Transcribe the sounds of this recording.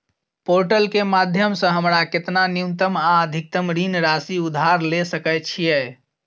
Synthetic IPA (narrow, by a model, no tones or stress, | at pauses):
poɾʈəlkemad̪ʱjəmsə̃ɦəmɾaket̪nanjunt̪əmaəd̪ʱik̚t̪əmɾinɾasiud̪ʱːaɾlesəkət͡ʃʰijɛ